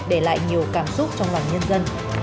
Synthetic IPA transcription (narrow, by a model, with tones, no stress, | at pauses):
ɗe˧˩la̰ː˧˨jɲi˨˩əwkaː˧˩msʊ˦˥t̚t͡ɕɔ˧wŋ͡mlwaː˨˩ŋɲə˧nzə˧n